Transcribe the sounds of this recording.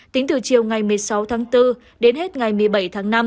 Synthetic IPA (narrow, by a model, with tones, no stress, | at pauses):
t̪ï˨˦ŋ̟t̪ɨ˨˩t͡ɕi˨˩əwŋa˨˩jmɨ˨˩əjsa˨˦wt̪ʰaː˨˦ŋt̪ɨ˧ | ɗe˨˦nɦe˦˥t̚ŋa˨˩jmɨ˨˩əjɓə˧˩jt̪ʰaː˨˦ŋna˧m